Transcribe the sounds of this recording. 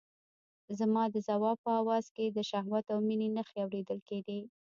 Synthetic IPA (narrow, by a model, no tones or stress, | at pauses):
zamɑd̪əzawɑb̚pəawɑz̥ked̪əʃaɦwat̪awminenəxeawɾed̪əlked̪e